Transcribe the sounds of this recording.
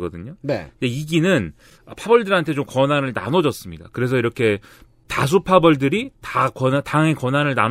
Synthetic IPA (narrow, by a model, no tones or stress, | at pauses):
ɡʌ̰dɯɲoneideiɡinɯn | ʌpʰabʌɭdɯɾɦantʰe̞t͡ɕomkʌnanɯɭna̰nʌd͡ʑʌs͈ɯmɲida̰kɯɾe̞s̬ʰʌiɾʌkʰe̞ | tas̬ʰupʰabʌɭdɯɾitakʌntaŋe̞kʌnanɯɭnam